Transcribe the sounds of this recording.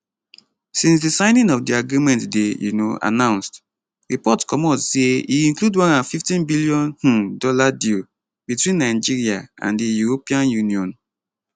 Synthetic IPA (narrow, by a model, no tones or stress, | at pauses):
sĩns̬disãɪ̃nĩŋɔfdiaɡɹimɛ̃ntdejṵnoa̰nãʊ̃nst | ɹipɔtkɔmɔtseiĩŋkludwãnãfiftĩnbiliɔ̃nh̩dɔladi | bitwĩnːaɪd͡ʒiɹiaã̰ndijuɹopiãnjuniɔ̃n